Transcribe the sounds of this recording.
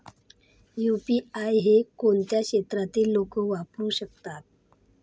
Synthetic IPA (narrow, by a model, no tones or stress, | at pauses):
jupiajɦekoɳt̪jakɕet̪ɾat̪iːlːokəʋapɾuɕək̚t̪at̪̚